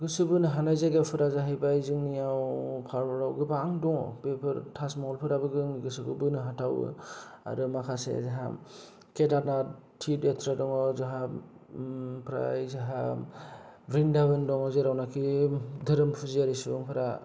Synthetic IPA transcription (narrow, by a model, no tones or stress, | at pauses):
ɡɯsɯbɯnɯɦanajzaɡepʰɯɾazaɦajbajzɯŋnijawpʰaɾbɔɾawɡɯbaːŋdɔŋbepʰɯɾtʰasmɔɔlpʰɯɾabɯɡɯŋɡɯsɯbɯ̰bɯnɯɦatʰawɯ̰a̰ɾɯmakʰasḛzaɦa̰ | kedat̚na | tʰidetʰɾadɔŋɔzaɦa | pʰɾa̰jzaɦa | bɾindabɯndɔŋɔzeɾawnakʰidʱɯɾɯmpʰɯziaɾisɯbɯŋpʰɯɾa